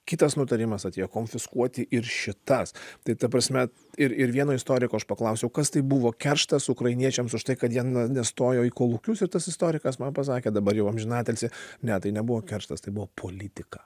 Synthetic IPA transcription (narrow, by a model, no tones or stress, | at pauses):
kʲɪt̪ɐsnʊt̪ɐɾʲɪmɐsɐt̪ʲeːjoːkoːnʲfʲɪskuɔt̪ʲɪʔɪɾʃʲɪt̪ɐst̪ɐɪt̪ɐpɾɐsʲmʲɛ | ɪɾɪɾʋʲiɛnoːɪst̪oːɾʲɪkoːɐʃpɐklˠɐʊsʲɛʊkɐst̪ɐɪbuʋoːkʲɛrʃt̪ɐsʊkɾɐɪnʲiɛt͡ʃʲɛmsʊʃt̪ɐɪkɐt̪jiɛnnʲnʲɛst̪oːjoːikoːlˠʊkʲʊsɪɾt̪ɐsɪst̪oːɾʲɪkɐsmɐnpɐs̬ɑːkʲeːd̪ɐbɐɾjɛʊɐmʲʒʲɪnɑːt̪ʲɛlʲsʲɪnʲɛt̪ɐɪnʲɛbuʋoːkʲɛrʃt̪ɐst̪ɐɪbʊʋoːpʰoːlʲɪt̪ʲɪkɐ